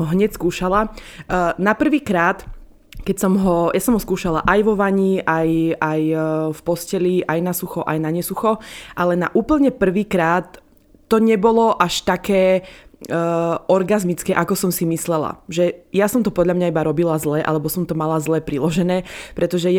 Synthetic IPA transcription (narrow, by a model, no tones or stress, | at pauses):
ɔɦɲɛcskuːʃala | napr̩ʋiːkɾaːt̪ | kɛcsɔmɦɔjasɔmɦɔskuːʃala̰ʔajʋɔʋaɲiajajfpɔscɛliʔajnasuxɔʔa̰jnaɲɛsuxɔʔalɛna̰ʔuːpl̩ɲɛpr̩ʋiːkɾaːt̪ː | ɔɲɛbɔlɔʔaʃt̪akɛː | ɔɾɡazmit͡skɛʔakɔsɔmsimislɛla̰ʒɛjasɔmt̪ɔpɔd̪ʎamɲaibaɾɔbilazlɛʔa̰lɛbɔsɔmt̪ɔmalazlɛpɾilɔʒɛnɛːpɾʔɛt̪ɔʒɛ